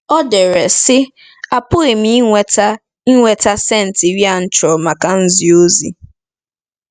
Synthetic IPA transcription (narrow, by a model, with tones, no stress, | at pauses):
ɔ˦de˨ɾe˨sɪ˦ | a˨pʊ˦ɣɪ˨m̩i˨˦ŋʷe˨˦ta˦ | i˦ŋʷe˨ta˦se˦n̩˨ti˨ɾja˦˨n̩˦t͡ʃɔ˨ma˨ka˦n̩˦zi˨o˦zḭ˨